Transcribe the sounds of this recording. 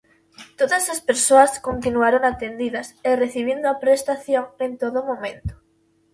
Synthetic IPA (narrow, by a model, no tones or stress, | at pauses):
t̪oðasaspeɾsoaskont̪inuaɾoŋat̪end̪iðasereθiβ̞ind̪oapɾest̪aθjoŋẽnt̪oðomõmẽnt̪o̥